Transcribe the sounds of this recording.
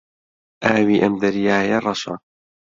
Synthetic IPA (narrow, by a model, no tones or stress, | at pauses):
ʔaːwiːʔɐmd̪ɐɾjaːjɐrˤɑʃɐ̰